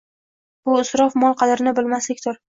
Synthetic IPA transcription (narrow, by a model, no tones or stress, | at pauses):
b̥ʊɪsɾɒfmɒlˠqʰɑd̪ɪɾnɪbɪlmaslɪkʲt̪ʰʊɾ